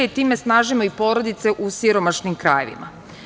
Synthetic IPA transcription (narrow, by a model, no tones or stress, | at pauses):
eit̪iːme̞snaːʒimoipo̞ɾo̞d̪it̪se̞ʔusiɾo̞maʃnimkɾa̰ːjḛʋḭma̰